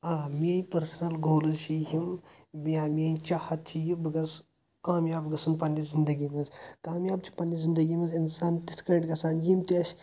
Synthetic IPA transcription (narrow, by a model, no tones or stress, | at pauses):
aːmiɐnʲpɐɾsɐnɐlɡoːlɨʃiɦim | bijaːmʲiɐnʲt͡ʃahɐt̪ʰijubɨɡɐs | kaːmjaːbɡɐsɐnpɐnːizind̪ɐɡimɐnzkaːmjaːb̚t͡ʃʰi̥pɐnizind̪ɐɡimɐzinsaːnt̪it̪ʰkɐʈɡɐsaːnjimt̪esʲ